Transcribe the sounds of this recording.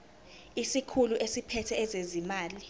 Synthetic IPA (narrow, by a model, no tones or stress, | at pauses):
isikʰuluʔesipʰɛtʰɛɛzezimaːli